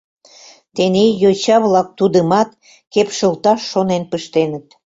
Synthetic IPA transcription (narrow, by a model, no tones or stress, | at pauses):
t̪enejot͡ɕɑβlɑk̚t̪ud̪əmɑt̪̚ | kepʃə̆lt̪ɑʃːonenpəʃt̪enə̆t̪